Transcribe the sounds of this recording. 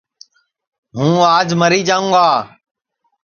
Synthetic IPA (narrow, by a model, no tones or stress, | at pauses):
ɦũːaːd͡ʒməɾiːd͡ʒaːũːɡaː